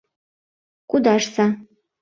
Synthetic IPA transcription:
kʷʼud̪aʂsa

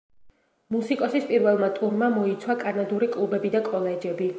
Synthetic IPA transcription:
musikʼɔsispʼiɾvɛlˠmat̪ʼuɾmamɔit̪sʰwakʼanad̪uɾikʼlˠubɛbid̪akʼɔlɛd͡ʒɛbi

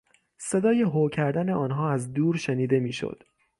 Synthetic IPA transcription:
se̞d̪ɒːjeɦocʰæɾd̪æne̞ʔɒːnɦɒːæzd̪uːɾʃeniːd̪e̞miːʃo̰d̪̥

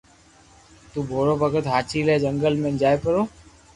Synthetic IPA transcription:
t̪uːbʱoːɽoːbʱəɡət̪ɦaːt͡ʃiːleːd͡ʒəŋɡəlmẽːnd͡ʒaːeːpəɾoː

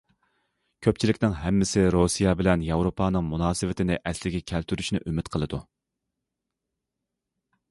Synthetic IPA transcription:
kʲʰøp̚t͡ʃʰilɪkʲnɪŋɦɛmːɪsɪɾosijɑbɪlɛnjɑwɾopʰɑːnɨŋmunɑːsɨvɪt̪ʰɪnɪʔɛslɪɡʲɛkʲʰɛlt̪ʰyɾyʃnɪʔymɪt̪qʰəlˠɨd̪u

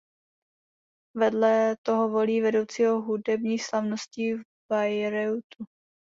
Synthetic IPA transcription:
vɛdlɛt̪oɦovo̞liːvɛdo̞wt͡siːɦoɦudɛbɲiːslavnosciv | bajɾɛwt̪u

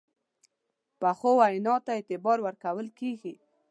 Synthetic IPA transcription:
paxowajnɑt̪aɪt̪ɪbɑɾwəɾkawəlkeɡi

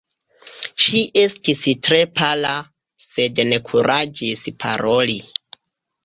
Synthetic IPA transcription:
ʃiʔestistɾe̞palase̞dne̞kʰuɾʔad͡ʒispʰa̰ɾo̞li

